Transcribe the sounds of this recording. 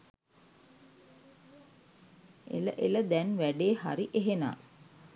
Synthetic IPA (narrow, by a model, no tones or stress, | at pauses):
ḛləʔeləd̪ænʋæɖeːha̰ɾiʔeɦena̰ː